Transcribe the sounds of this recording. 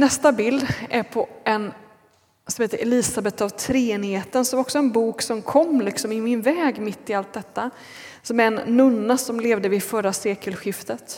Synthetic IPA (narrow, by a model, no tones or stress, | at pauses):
nɛst̪abɪld̪æɾpʰɔʔɛn | sɔmheːt̪əɾʔɛliːsabɛt̪ːavt̪ʰɾeːnheːt̪ənsɔaɾɔksɔɛnbuːksɔmkʰɔmːlɪksɔmɪmɪnvɛːɡmɪt̪ːɪalt̪̚d̪ɛt̪ːa | sɔmæɾɛnːɵnːasɔmleːvd̪əvɪfœɾːaseːkəlɧɪft̪ət̪